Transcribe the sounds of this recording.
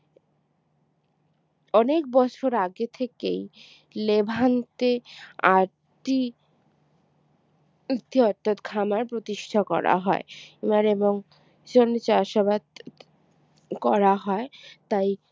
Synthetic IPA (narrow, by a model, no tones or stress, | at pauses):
ɔnek̚bɔt͡ɕʰoɾaɡet̪ʰekej | lebʱant̪eaɾ | ʈi | it̪ʰːiɔɾt̪ʰat̪kʰamaɾpɾot̪iʃʈʰakɔ̰ɾa̰ɦɔeemaɾeboŋ | d͡ʑonːet͡ɕaaʃabad̪ | kɔɾaɦɔet̪aj